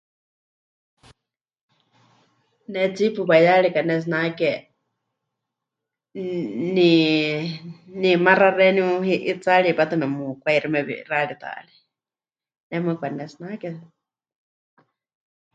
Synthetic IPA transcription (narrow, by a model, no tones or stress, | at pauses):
nɛt͡sipubajaɺikanɛs̬nakɛ | ni | nimararɛniuɦiʔit͡saɺipat̪unɛmukʷaiɾimɛβḭraɺit̪ʰa̰ʔa̰ɺi̥ | nɛmɨkʷanɛsnakɛ